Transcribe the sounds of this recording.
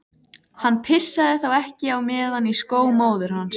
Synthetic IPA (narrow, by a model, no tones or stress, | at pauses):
hanːpʰɪsːaðɪθawɛhcɪawmɛːðaniskoːwmoːwðʏɾ̥hans